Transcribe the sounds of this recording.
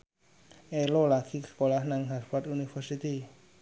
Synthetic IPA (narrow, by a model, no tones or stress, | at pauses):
elolakʰikskolahnaŋɦaɾfat̪unifɛɾsit̪i